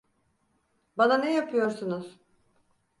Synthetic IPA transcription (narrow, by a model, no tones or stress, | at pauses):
bananɛjapʰɯjo̞ɾsunuz̥